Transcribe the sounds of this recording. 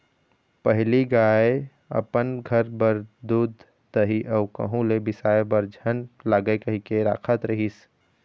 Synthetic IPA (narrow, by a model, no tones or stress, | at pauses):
pəɦliɡaːe | ə̰pənɡʱəɾbəɾd̪uːd̪ | d̪əɦiʔɔːkə̰ɦũlebɪsaːebəɾd͡ʒʱənlaːɡəekəɦikeɾa̰ːkʰət̪ɾəɦis